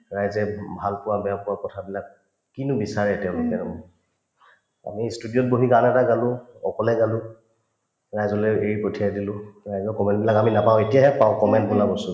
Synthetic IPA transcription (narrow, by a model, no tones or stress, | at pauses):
ɹajzɛbʱalpʊwabɛapʊwakɔtʰabilak | kinubisaɹɛtɛʊ̃lʊkɛɹmɔ | a̰mistudijɔt̚boɦiɡanɛtaɡalʊ̃ɔ̰kɔlɛɡalʊ̃ | ɹajzɔlɛeɹipotʰijadilʊ̃ɹajzɔkɔmɛntbilakaminapaʊetijaɦɛpaʊ̃kɔmɛntbʊlabɔsũ